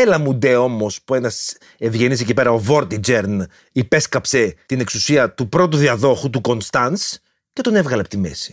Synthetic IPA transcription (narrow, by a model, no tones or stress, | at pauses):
elɐmud̪e̞o̞mo̞spue̞nɐs | evʝe̞nis̬ecipe̞ɾɐo̞vo̞ɾt̪id͡ʒeɾn | ipe̞skɐpse̞t̪ine̞ksusiɐt̪upɾo̞t̪̬uðiɐðo̞xut̪uko̞nst̪ɐns | ce̞t̪o̞ne̞vɣɐlɐpot̪ime̞̰si̥